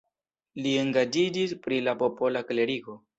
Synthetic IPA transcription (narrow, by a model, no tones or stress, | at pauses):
lie̞ŋɡad͡ʒid͡ʒispɾilapo̞po̞lakle̞ɾiɡo̞